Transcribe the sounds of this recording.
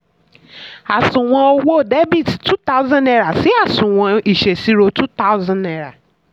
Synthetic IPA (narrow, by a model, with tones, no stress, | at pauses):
a˨sũ˨w̃ɔ̃˧o˧wo˦˨de˦bi˦˨ttu˦ta˦ʊ˦zã˦nɛ˧ɾa˨si˨˦a˦˨sũ˨w̃ɔ̃˧i˨ʃe˨si˦ɾo˧tu˦ta˦ʊ˦zã˦dɛ˦ɾa̰˨